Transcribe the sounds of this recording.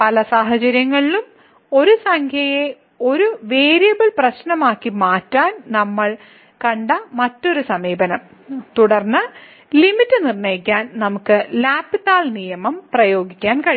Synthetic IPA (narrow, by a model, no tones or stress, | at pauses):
pɐlɐsaːɦɐt͡ɕɐɾjɐŋːɐɭilum | o̞ɾusɐŋkʰjɐje̞ | o̞ɾuʋeːɾijɐbɐɭprɐɕnɐmaːkːimaːtːaːnnɐmːɐɭ | kɐɳɖɐmɐtːo̞ɾusɐmiːbɐnɐm | t̪uɽɐrnːɐ | limitːɨnirɳeːjikʲːaːnnɐmukːɨlaːpːit̪aːlnijɐmɐmprɐjo̞ːɡikʲːaːnkɐɻi